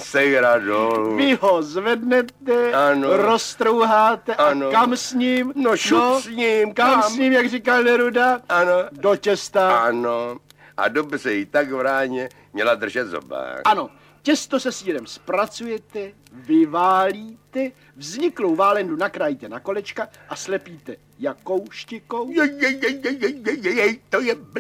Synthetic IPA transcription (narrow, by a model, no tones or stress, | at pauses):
sɛjɾadolvɪɦo̞zvɛdnɛt̪ɛanoɾost̪ɾowɦaːt̪ɛʔanokamsɲiːmnoʃuosɲimkammsɲiːmjaɡrikalnɛɾudaanodot͡ʃɛst̪aano | ʔa̰dobr̝ɛjɪt̪aɡvɾaːɲɛ | mɲɛlad̪r̩ʒɛt̪zo̰ba̰ʔano̞ | cɛst̪o̞sɛsiːɾɛmspɾat͡sujɛt̪ɛ | vɪvaːliːt̪ɛ | vzɲɪklowvaːlɛndunakɾajit̪ɛnako̞lɛt͡ʃkaʔaslɛpiːt̪ɛ | jako̞wʃcɪkowjɛjɛjɛjjɛjjɛjjɛjɛjɛjt̪ojɛb